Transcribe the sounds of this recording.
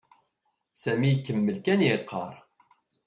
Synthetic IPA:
sæmijkːəmːəlkæniqʰːɑ̰ɾˤ

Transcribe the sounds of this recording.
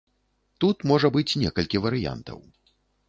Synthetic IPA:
t̪ut̪mɔʐɐbɨt͡sʲnʲɛkɐlʲkʲivɐɾɨja̰nt̪ɐ̰w

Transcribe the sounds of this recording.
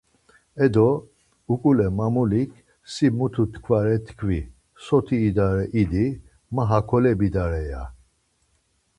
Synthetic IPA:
ɛd̪ɔ | ukʼulɛmamulikʰ | simut̪ʰut̪ʰkʰvaɾɛt̪ʰkʰvi | sɔt̪ʰiːd̪aɾɛʔid̪i | maɦakʰɔlɛbid̪aɾɛja̰

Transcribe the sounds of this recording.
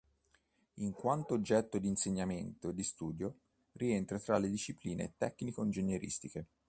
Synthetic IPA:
iŋkwant̪oːd͡ʒːɛt̪ːod̪iːnseɲːament̪oed̪ːist̪uːd̪jo | rient̪ɾat̪ɾalːed̪iʃːipliːnḛt̪ɛkːnikoind͡ʒenjeɾʔḭst̪ike

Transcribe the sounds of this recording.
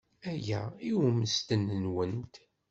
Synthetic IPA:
æjæiwməst̪ənənwənt̪

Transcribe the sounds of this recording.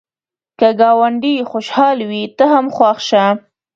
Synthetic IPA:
kəɡɑwaɳɖixoʃhɑlwit̪əɦamxwɑxʃa

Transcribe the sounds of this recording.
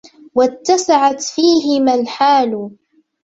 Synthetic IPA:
wat̪ːasaʕat̪fiːɦɪmalħaːl

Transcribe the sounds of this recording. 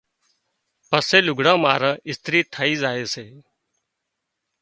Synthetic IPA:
pəseːlʊɡʱɽãːmaːɾãːʔɪst̪ɾiːt̪ʰəːiːzaːeːseː

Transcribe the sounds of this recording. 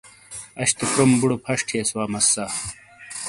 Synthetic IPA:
ɐɕt̪ukɾumbuɽopʰɐʂʈʰeːswaːmɐsːa

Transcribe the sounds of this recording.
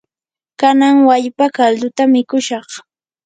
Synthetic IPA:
kanaŋwaʎpakald̪ʊt̪amɪkʊʃɑχ

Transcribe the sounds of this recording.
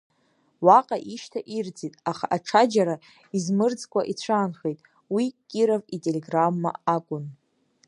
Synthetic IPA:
waqʼaʔiʃtʰaʔird͡zitʼaχa̰ʔaʈ͡ʂʰad͡ʒaɾa | izmɨrd͡zkʷʼaʔit͡ɕʷʰaːnχejtʼ | wikʲʼiɾavitʼeleɡramːa̰akʷʼʊn

